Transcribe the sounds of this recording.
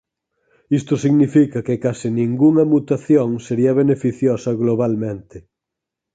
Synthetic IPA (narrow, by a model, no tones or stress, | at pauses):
ist̪ʊsiɣnifikɐkɪkasinĩŋɡuŋɐmut̪aθjoŋseɾiɐβ̞enefiθjosɐɣloβ̞almẽnt̪ɪ